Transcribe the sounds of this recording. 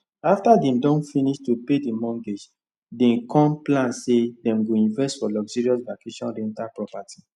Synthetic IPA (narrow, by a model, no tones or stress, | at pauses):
aftadɛ̃mdɔ̃nfiniʃtupedimɔ̃ŋɡed͡ʒ | dɛ̃nkɔ̃mplãnsedɛ̃mɡoĩnvɛstfɔlɔɡzɔɹiɔsvakeʃɔ̃nɹɛ̃ntapɹɔpatʰi̥